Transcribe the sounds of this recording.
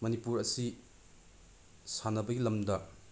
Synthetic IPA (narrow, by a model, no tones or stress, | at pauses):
mɐnipuɾɐsi | sanɐbɐɡilɐmdɐ